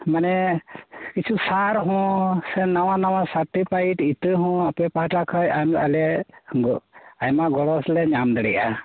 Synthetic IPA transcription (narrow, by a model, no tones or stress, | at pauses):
manɛ | kit͡ʃʰusaɾɦɔ̃sɛnawanawasaɾʈipʰajʈit̪əɦɔ̃apɛpahʈakʰəjamalɛɡɔajmaɡɔɽɔslɛɲamd̪ɛɽɛʔa